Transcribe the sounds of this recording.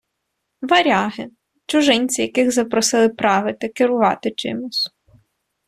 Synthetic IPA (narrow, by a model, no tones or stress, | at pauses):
ʋɐɾʲɑɦɪ | t͡ʃʊʒɪnʲt͡sʲijɐkɪɣzɐpɾɔsɪlˠɪpɾɑʋɪt̪ɪkɪɾʊʋɑ̰t̪ɪt͡ʃɪ̰mʊsʲ